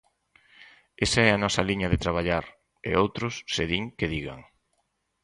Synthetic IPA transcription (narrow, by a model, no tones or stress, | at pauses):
esaɛɐnɔsɐliɲɐðet̪ɾaβ̞aʎaɾ | ḛowt̪ɾʊsːeðiŋkeðiɣa̰ŋ